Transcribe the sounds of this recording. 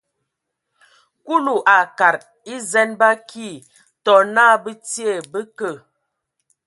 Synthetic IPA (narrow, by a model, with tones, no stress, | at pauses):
ku˦lu˨ʔa˨ka˨ɾ | i˦zɛ˦nba˦ki˦˨ | tɔ˨na˦˨bə˦ti˦e˦˨bə˦kə˦˨